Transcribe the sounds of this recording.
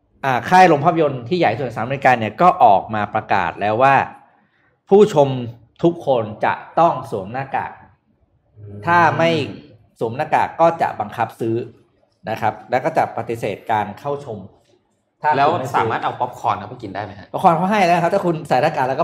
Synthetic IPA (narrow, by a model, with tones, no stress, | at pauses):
ʔaː˨˩kʰaː˥˩jɾo˧ŋpʰa˥˩p̬̚ʰjo˧nt̪ʰiː˥˩ja˨˩jsu˨˩˦saː˩˦me˧i˧kaː˧nːi˥˩ɐkɔː˥˩ʔɔː˨˩k̚maː˧pɾa˧ka̰ː˨˩t̪̚lɛː˦˥waː˥˩ | pʰuː˥˩t͡ɕʰo˧m | t̪ʰu˦˥kʰːo˧nt͡ɕa̰˨˩ʔt̪ɔ˥˩ŋsu˩˦əmnaː˥˩ka̰ː˨˩k̚ | t̪ʰaː˥˩ma˥˩j | su˩˦mnaː˥˩ka̰ː˨˩kːɔː˥˩t͡ɕa̰˨˩ʔba˧ŋkʰa˦˥p̚sɯː˦˥ | na˦˥kʰa˦˥p̚lɛː˦˥kɔː˥˩t͡ɕa˨˩pa˧t̪i˨˦seː˨˩t̪̚kaː˧nkʰa˥˩wt͡ɕʰo˧m | t̪ʰaː˥˩lɛː˦˥wa˥˩saː˦˨˦maː˥˩t̪̚ʔa˧wpɔ˦˥p̚kʰɔː˧nkʰa˦˥pʰa˥˩ki˧ndaː˥˩jma˦ha˦˥pɔ˦˥kʰɔː˧nkʰa˥˩ɦa˥˩jlɛ˦˥na˧a˦˥t̪ʰaː˥˩kʰu˧nsa˨˩˦naː˥˩kaː˨˩lːkːɔ˥˩